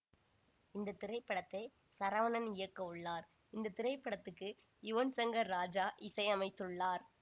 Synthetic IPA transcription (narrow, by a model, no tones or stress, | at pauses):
ɪnd̪ɐt̪ɪɾɐɪpːɐɽɐt̪ːɐɪ | sɐɾɐʋɐnɐnɪjɐkːɐʊɭːaːɾ | ɪnd̪ɐt̪ɪɾɐɪpːɐɽɐt̪ːɯkːɯ | ɪʋɐnsɐŋɡɐɾːaːd͡ʒaːʔɪsɐɪɐmɐɪt̪ːɯɭːaːɾ